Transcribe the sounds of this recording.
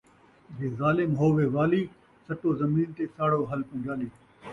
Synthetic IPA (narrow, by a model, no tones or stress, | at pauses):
beːzaːlɪmɦoːʋeːʋaːliː | sɐʈoːzɐmiːnt̪eːsaːɽoːɦɐlpɐ̃ːd͡ʒaːliː